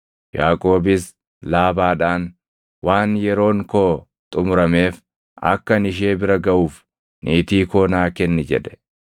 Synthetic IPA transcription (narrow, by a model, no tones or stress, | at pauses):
jaːkʼo̞ːbɪs | laːbaːᶑaːn | waːnjɛɾo̞ːŋkoː | t̪ʼʊmʊɾɐme̞ːf | ɐ̰kːɐnɪʃ̬eːbɪɾɐɡɐʔuːf | nʔiːt̪iːkoːnaːkɛnːɪd͡ʒɛᶑɛ̥